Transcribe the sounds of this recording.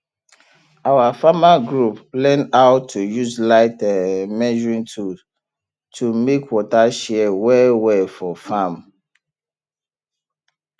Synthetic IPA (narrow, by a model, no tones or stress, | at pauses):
awafamaɡɹuplɛ̃naʊtʰːujuzlaɪtɛmɛd͡ʒɔɹĩŋtʰu | tʰumekwɔtaʃɛɛwɛwɛfɔfãm